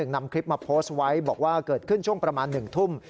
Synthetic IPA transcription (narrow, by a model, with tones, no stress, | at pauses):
ɯ˨˩ŋna˧mkʰɾi˦˥p̚ma˧pʰoː˦˥swa˦˥jbɔː˨˩k̚waː˥˩kɤː˨˩t̪̚kʰɯ˥˩nt͡ɕʰu˥˩əŋpɾa˧maː˧nːɯ˨˩ŋt̪ʰu˥˩m